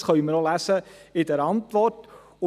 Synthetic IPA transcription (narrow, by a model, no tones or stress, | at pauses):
χœʏməɾolæsəɪdɛɾɑntʋɔrt | ʊ